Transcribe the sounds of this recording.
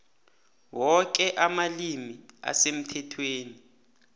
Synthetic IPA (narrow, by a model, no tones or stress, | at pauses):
wɔk̬ɛʔamalimia̰sem̩tʰɛtʰweːni